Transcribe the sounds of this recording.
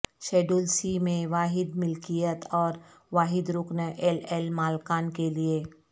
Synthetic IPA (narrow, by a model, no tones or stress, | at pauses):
ʃeːɖuːlsimẽʋaːɦɪd̪mɪlkijət̪ɔːɾʋaːɦɪd̪ɾʊːknəʔɛlɛlmaːlkaːnkelie